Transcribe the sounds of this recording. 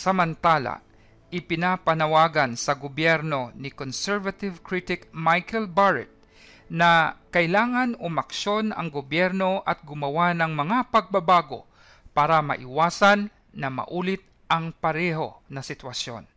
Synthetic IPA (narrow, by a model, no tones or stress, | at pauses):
sɐmɐnt̪aːla̰ | ʔɪpɪnapɐnɐwaːɡɐnsɐɡobjɛɾno̞nɪkonsɛɹvat̪ɪvkɹit̪ɪkmajkɛlbaɹɛ̰t̪̚ | nɐkɐʔɪlaːŋɐnʊmɐkʃo̞nɐ̰ŋɡobjɛɾno̞ʔɐt̪̚ɡʊmɐwanɐŋmɐŋapɐɡ̚bɐbaːɡo̞̰ | paːɾɐmɐ̰ʔɪwaːsanː | ɐmɐ̰ʔuːlɪt̪̚ | ʔɐŋpɐɾɛːɦo̞̰nɐsɪt̪wɐsjo̞̰n